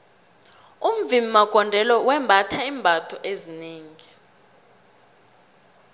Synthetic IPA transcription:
um̩vimimaɡ̥ʱɔndʱɛlɔwɛmbʱatʰaimbʱatʰɔʔezineːŋi

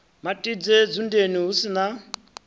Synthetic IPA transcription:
matʼid͡zɛd͡zundeniɦusina

